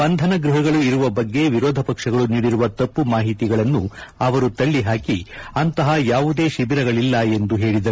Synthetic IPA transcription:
bɐnd̪ʱɐnɐɡɾuɦɐɡɐɭuiɾuʋɐbɐɡːe̞ʋiɾɔːd̪ʱɐpɐkʂɐɡɐɭuniːɽiɾuʋɐt̪ɐpːumaːɦit̪iɡɐɭɐnːuɐʋɐɾut̪ɐɭːiɦaːkiɐnt̪ɐɦɐjaːʋud̪e̞ːʃibiɾɐɡɐɭilːɐe̞nd̪uɦe̞ːɭid̪ɐ

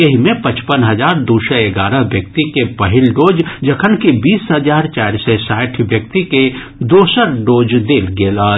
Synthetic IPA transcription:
jɐɦimẽpɐt͡ʃpənɦɐd͡ʒaːɾd̪uːsəeɡaːɾəbjək̚t̪ikepɐɦɪlɖoːd͡ʒd͡ʒɐkʰənkibiːsɦəd͡ʒaːɾt͡ʃaːɪɾsesaːɪʈʰʋjək̚t̪ike | d̪oːsəɾɖoːd͡ʒd̪eːlɡeːla

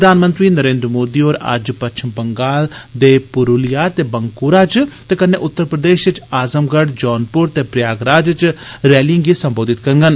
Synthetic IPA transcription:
əd̪aːnmə̃nt̪ɾiːnəɾẽːnd̪ɾmoːd̪iːoːɾə̰d͡ʒpətːʃʰɪmbəŋɡaːld̪eːpʊɾuːlɪjaːt̪eːbəŋkuɾaːt͡ʃt̪eːkənːeːʔʊt̪ːəɾpɾəd̪eːʃɪt͡ʃaːzəmɡəɖd͡ʒɔːnpʊɾt̪eːpɾɪjaːɡɾaːd͡ʒt͡ʃɾɛːliŋɡiːsəmboːd̪ɪt̪kəɾŋɡən

